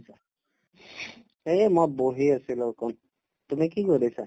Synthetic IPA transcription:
sa | emaboɦiasʰilokon | t̪umikikoɾisʰa

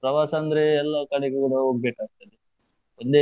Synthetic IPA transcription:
pɾɐʋaːsɐːnd̪ɐɾeɛlːɐkɐɽeɡekuɽɐoɡ̚beːʈaːɡ̚t̪ɐd̪e | ond̪e

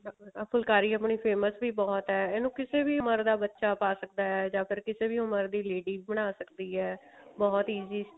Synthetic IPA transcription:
əpʰəlkaːɾiːəpɳiːpʰeːməsbiːbɔːt̪ɦɛːɛːnũːkɪseːbiːʊməɾd̪aːbətːʃaːpaːsək̚d̪aːɛːd͡ʒãːpʰɪɾkɪseːbiːʊməɾd̪iːleːɖiːbəɽ̃aːsəkd̪iːɛːbɔːt̪iːziː

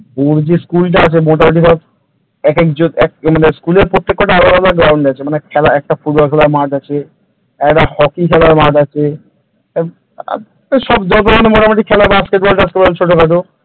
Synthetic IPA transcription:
boɾd͡ʑiskulʈ̬aat͡ɕʰemoʈ̬amiʈ̬ik̪ʰab | ɛkɛkd͡ʑoɛk̚maneskuleɾpot̪ːekːoʈaalabalaɡɾawɳɖat͡ɕʰemanekʰɛlaɛk̚ʈafuɖ̚bɔlkʰɛlaɾmaʈat͡ɕʰe | ɛkʈahɔkikʰɛlaɾmaʈat͡ɕʰe | a̰ | ʃɔbd͡ʒɔt̪̬omanemoʈamaʈikʰɛlaɾbaskeʈ̚bolʈaaskebɔalt͡ɕʰoʈokaʈo

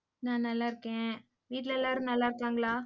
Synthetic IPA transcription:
nãːnɐlːaːɪɾɯkːẽː | ʋiːʈ̬lɛlːaːɾɯ̃nɐlːaːɪɾɯkːaːŋɡɐɭaː

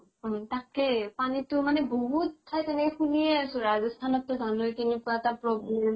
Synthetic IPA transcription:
takɛpanitʊmanɛboɦut̚tʰːajtɛnɛkɛxunieasʊ̃ɹazɔstʰanɔtːʊdʱanojkinekuatapɹɔblem

